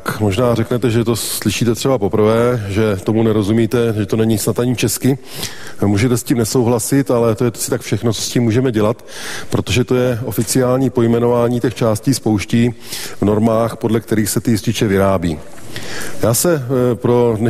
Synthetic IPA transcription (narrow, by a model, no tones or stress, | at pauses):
kmo̞ʒnaːrɛknɛt̪ɛʒɛt̪o̞slɪʃiːt̪ɛt̪r̥ɛbapo̞pr̩vɛːʒɛt̪o̞munɛɾo̞zumiːt̪ɛʒɛt̪o̞nɛɲɪsnat̪aɲɪt͡ʃɛskɪ | muːʒɛt̪ɛsciːmnɛso̞wɦlasɪt̪alɛt̪o̞jɛt̪sɪ̥t̪akfʃɛxnot͡sosciːmːuːʒɛmɛɟɛlat̪pɾo̞t̪o̞ʒɛt̪o̞jɛʔo̞fɪt͡sɪaːlɲiːpo̞jmɛno̞vaːɲiːcɛxt͡ʃaːsciːspo̞wʃciː | vno̞ɾmaːxpo̞dlɛkt̪ɛɾiːxsɛt̪ɪɪscɪt͡ʃɛvɪɾaːbḭː | jaːsɛpɾo̞dnɛ